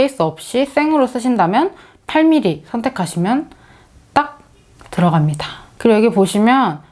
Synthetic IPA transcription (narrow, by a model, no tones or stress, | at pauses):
eis͈ɯʌp̚ɕ͈is͈e̞ŋɯɾos͈ɯɕʰindamjʌn | pʰaɭmiɾisʰʌntʰe̞kʰaɕʰimjʌn | t͈ak̚ | tɯɾʌɡamɲidakɯɾioʌɡepoɕʰimjʌn